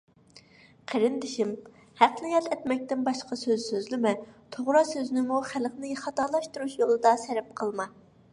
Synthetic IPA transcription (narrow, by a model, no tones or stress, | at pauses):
qʰeɾɪnd̪ɪʃim | hæqnɪjɑt̪ʰɛt̪mɛk̚ʲt̪ɪnbɑʃqɑsøzsøzlɪmɛt̪ʰoʁɾɑsøzɪnɪmuχælχnɪχɑt̪ɑlˠɑʃt̪uɾuʃjolˠɨd̪ɑsɛɾɛp̚qʰəlˠmɑ